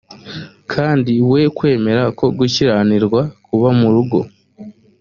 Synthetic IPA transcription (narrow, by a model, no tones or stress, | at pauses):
kʰaːndiwe̞kwe̞ːme̞ɾako̞ɡuciɾaniɾɡwakuβamuɾuɡo̞̰